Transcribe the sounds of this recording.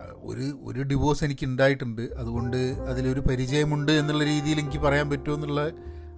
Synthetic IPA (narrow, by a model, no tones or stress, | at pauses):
o̞̰ɾuo̞̰ɾuɖiʋo̞ːse̞nikʲːuɳɖaːjiʈːuɳɖɨɐðuɣo̞ɳɖɨɐðilo̞ɾupɐɾid͡ʑɐjɐmuɳɖɨe̞nːuɭːɐɾiːðijileŋikʲːɨpɐrɐjaːnpɐtːuenːuɭːɐ